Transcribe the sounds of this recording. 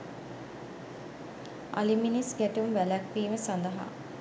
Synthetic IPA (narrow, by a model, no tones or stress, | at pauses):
a̰liminisɡæʈumʋælækʋiːməsand̪əɦa̰